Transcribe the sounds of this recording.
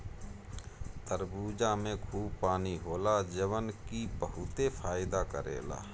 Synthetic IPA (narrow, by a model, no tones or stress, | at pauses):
t̪əɾbuːd͡ʒamẽkʰuːb̚paːniɦoːlad͡ʒəʋənkipəɦʊt̪epʰaːɪd̪akə̰ɾḛːla̰ː